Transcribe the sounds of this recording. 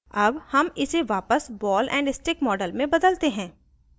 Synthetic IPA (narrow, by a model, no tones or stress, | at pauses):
ɐbhɐmɪseʋaːpəsbɔːlʔɛ̰̃ːɳɖɪsʈɾɪkmɔːɖəlmẽbɐd̪əlt̪eɦɛ̃ː